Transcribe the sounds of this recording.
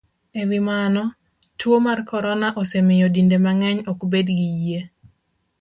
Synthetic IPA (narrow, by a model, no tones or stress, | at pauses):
ewimanɔ | twomarkɔɾɔnaʔɔsemɪjɔdindemaŋɛɲɔkbedɡije